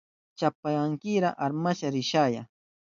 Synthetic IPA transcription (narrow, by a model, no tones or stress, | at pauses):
t͡ʃapajaŋkɪɾaʔaɾmaʃaɾɪʃaːja̰